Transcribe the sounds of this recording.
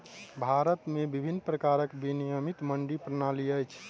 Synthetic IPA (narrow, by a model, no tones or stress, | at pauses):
bʱaɾət̪mebibʱinːpɾəkaɾəkbinijəmit̪məɳɖipɾənaliəjt͡ʃʰ